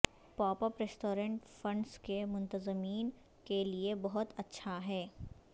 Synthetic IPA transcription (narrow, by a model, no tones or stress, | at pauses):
pɔːpəɾpɾesʈoːɾə̃ɳʈfɐ̃ɳɖskemʊ̃nt̪əzəmiːn | keliebɐɦʊt̪ɐtːʃʰaɦɛː